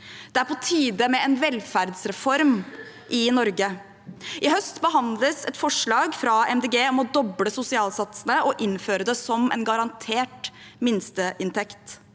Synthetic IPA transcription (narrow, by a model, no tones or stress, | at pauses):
d̪̥ɛæɾpɔt̪ʰiːd̪əmɛɛnʋɛlfæɾd̪sɾɛfɔɾm | ʔɪnɔɾɡə | ʔɪhœst̪bəɦɑnd̪ləsɛt̪fɔʂɭɑːɡfɾɑɛmd̪eːɡeːɔmɔd̪ɔbləsʊsɪɑːlsɑt̪sənəʔɔʔɪnːføːɾəd̪ɛsɔmɛ̰nɡɑɾɑnt̪ʰeːʈ | mɪnst̪əʔɪnt̪ʰɛkt̪